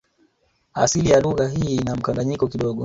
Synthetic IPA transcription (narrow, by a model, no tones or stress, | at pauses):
asilijaluɣaɦiːnam̩kaŋɡaɲikɔkiɗɔɠɔ